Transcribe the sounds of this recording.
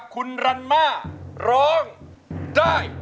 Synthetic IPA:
kʰu˧nɾa˧nmaː˥˩ɾɔː˦˥ŋdaː˥˩j

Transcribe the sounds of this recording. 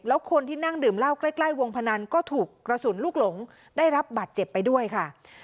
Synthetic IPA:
p̚lɛː˦˥wkʰo˧nt̪ʰiː˥˩na˥˩ŋdɯː˨˩mla˥˩wkla˥˩jkla˥˩jwo˧ŋpʰa˧na˧nkɔː˥˩t̪ʰuː˨˩kːɾa˧su˨˩˦nluː˥˩k̚lo˩˦ŋ | daː˥˩jɾa˦˥p̚baː˨˩t̪̚t͡ɕe˨˩pːa˧jdu˥˩əjkʰa˥˩

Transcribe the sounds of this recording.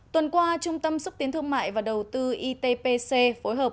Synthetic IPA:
t̪wə˨˩nkwaː˧t͡ɕʊ˧ŋ͡mt̪ə˧msʊ˦˥k͡p̚t̪i˨˦ənt̪ʰɨ˧əŋma̰ː˧˨jvaː˨˩ɗə˨˩wt̪ɨ˧ʔi˧t̪e˧pe˧se˧fo˨˦jɦəː˨˩

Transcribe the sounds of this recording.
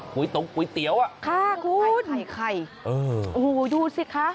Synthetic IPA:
ku˨˩˦jt̪o˨˦ŋku˨˩˦jt̪i˨˩˦əwʔa˧kʰa˧˥˩kʰuː˧˥na˨˩jkʰa˧˩jʔɤː˨˩ʔuː˧˩duː˧˩si˧˥kʰːa˦˥

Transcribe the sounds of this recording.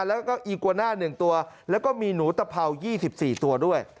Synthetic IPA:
lɛː˦˥kɔː˥˩ʔiː˨˩kːu˧naː˥˩nɯ˨˩ŋt̪u˧ɐlɛː˦˥wkɔː˥˩miː˧nuː˩˦t̪a˧pʰa˧wjiː˥˩si˨˩p̚siː˨˩t̪u˧ɐdu˥˩əj

